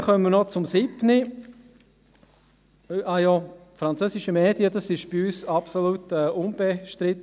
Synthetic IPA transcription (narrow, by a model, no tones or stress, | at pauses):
χœmmənɔt͡sʊmsibni | ʔajofɾɑnt͡søːsiʃəmeːd̥jədɑsɪʃb̥iyːsɑpsolut̪ɛːʔʊnb̥eʃtɾɪt̪